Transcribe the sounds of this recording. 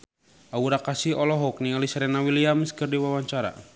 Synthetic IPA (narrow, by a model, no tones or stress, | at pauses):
ʔauɾakasiɔlɔɦɔk̚niŋalisaɾɛnawiliaməskɨrdiwawaɲt͡ʃaɾa̰